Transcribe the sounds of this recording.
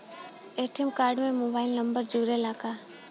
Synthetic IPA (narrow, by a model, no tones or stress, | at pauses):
eːʈʰemkaːɾɖmẽmoːbaːɪlnəmbəɾd͡ʒuːɾelaːkaː